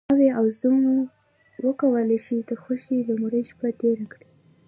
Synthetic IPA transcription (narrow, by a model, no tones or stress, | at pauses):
aweawzum | wəkawəlajʃid̪əxoʃiləmɾəjʃpat̪eɾakɽi